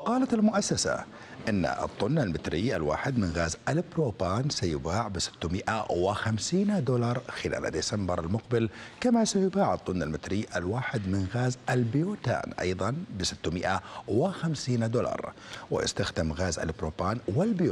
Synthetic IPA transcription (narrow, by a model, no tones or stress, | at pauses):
qɑːlat̪ɪlmʊʔasːasa̰ | ʔɪnːa̰ʔɨ̰t̪ˤːʊnːalmɪt̪ɾɪjalwa̰ːħɪd̪mɪnɣaːzʔalbɾoːbaːnsajʊbaːʕbɪsɪ̥t̪ːʊmɪʔawɪxamsiːnd̪uːlɑɾˤxɪla̰ːla̰d̪isambɪɾˤa̰lmʊqbɪlkamasajʊbaːʕɨt̪ˤːʊnːalmɪt̪ɾɪːʔalwaːħɪd̪mɪnɣaːzʔɪlbɪjoːt̪a̰ːnʔɑ̰jðˤɑnbɪsɪ̥t̪ːʊmɪʔawɪxamsiːnd̪ulɑ̰ɾˤwɪ̰jɪ̰st̪axd̪ɪmɣaːza̰lbɾoːbaːnwɪlbj